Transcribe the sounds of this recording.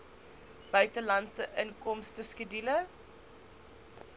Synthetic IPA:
b̥œɥtəlɐnsəʔənkɔmstəskədilə

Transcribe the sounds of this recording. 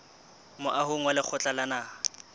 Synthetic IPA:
mʊʔaɦʊŋwalɪk͡xʰʊt͡ɬʼalana

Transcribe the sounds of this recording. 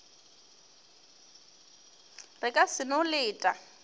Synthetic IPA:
rɪkʼasɪnolɪːtʼa

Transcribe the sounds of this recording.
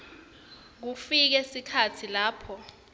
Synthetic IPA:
k̬ufik̬ɛsikʰatʰilaːpʰɔ

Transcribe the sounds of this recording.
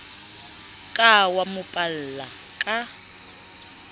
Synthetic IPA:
kʼawamʊpʼal̩ːla | kʼa

